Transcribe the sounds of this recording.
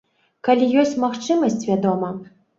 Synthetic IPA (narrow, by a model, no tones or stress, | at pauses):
kalʲijɔsʲt͡sʲmaxt͡ʂɨmɐsʲt͡sʲvʲad̪ɔmɐ